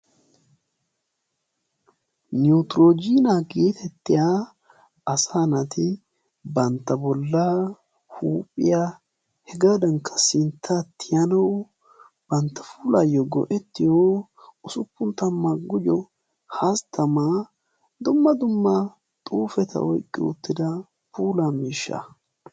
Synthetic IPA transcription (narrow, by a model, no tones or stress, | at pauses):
nut̪ɾod͡ʒiːnaɡe̞ːt̪ʰɛt̪ːɪjaː | ɐsaːnɐt̪ɪ | bɐnt̪ːɐbɔlːaː | huːpʼːɪjaː | hɛɡaːd̪ɐŋkʰɐ̥sɪnt̪ʰːat̪ʰːɪjɐnɐw | b̥ɐnt̪ːɐ̥fuːlaːjɔɡɔ̰ʔɛt̪ːɪjoː | ʊsʊpːʊnt̪ɐmːaɡʊd͡ʒɔ | hast̪ʰɐma | d̪ʊmːɐd̪ʊmːa | t̪ʼuːfɛt̪ʰɐ̰ʔɔjkʼːɪ̰ʊ̰t̪ːɪd̪ɐ | puːlamiːʃːɐ̰